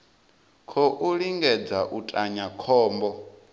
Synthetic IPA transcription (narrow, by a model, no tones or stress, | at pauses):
kʰɔʔuɺiŋɡɛd͡zaʔutʼaɲakʰɔːmbɔ